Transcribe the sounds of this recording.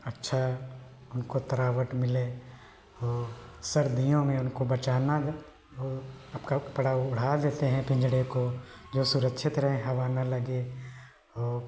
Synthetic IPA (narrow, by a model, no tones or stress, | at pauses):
ɐtːʃʰa | ʊnkot̪ɐɾaːʋəʈmɪle | ɔːsɐɾd̪ijõmẽʊnkobɐt͡ʃaːna | ɐpkapɐɽaʊɽ̤aːd̪eːt̪eɦɛ̃pɪ̃ɲd͡ʒɽekod͡ʒoːsʊɾəkʃʰɪt̪ɾɐɦẽɦɐʋaːnalɐɡe | ɔːɾ